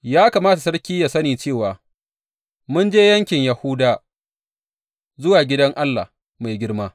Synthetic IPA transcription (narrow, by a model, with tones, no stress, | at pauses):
jaː˦kaː˨maː˦ta˨sɐ˦ɽkʲiː˦jaː˨sɐ˦niː˨t͡ʃeː˦˨waː˨ | mʊ˦nd͡ʒeː˦jɐ˦ŋkʲɪ˨ɲjɐ˨hʊ˦daː˨ | zʊ˦waː˨ɡʲɪ˦dɐ˦ŋʔa˦lːa̰ː˨ | ma˨jɡʲɪ˦ɽmaː˦